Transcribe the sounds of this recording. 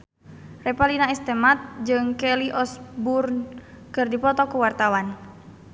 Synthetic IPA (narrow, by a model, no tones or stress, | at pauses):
rɛpalinaist̪ɛmat̪̚d͡ʒɨŋkɛliʔɔsburn | kɨrdipɔt̪ɔkuwart̪awan